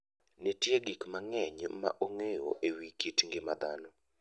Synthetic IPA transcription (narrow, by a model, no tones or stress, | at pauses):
netjeɡikmaŋɛɲma̰ʔoŋejo̰ʔewikitŋɡɪma̰d̪a̰nɔ